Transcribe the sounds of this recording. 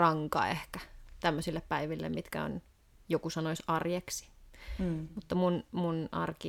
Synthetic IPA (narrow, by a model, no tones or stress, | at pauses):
rɑŋkɑ̰ehkæt̪æmːøsilːeppæiʋilːḛmit̪kæ̰o̰n | jokusɑnoisʲɑrjeksi̥ | mut̪ːɑmunmunʔɑ̰rki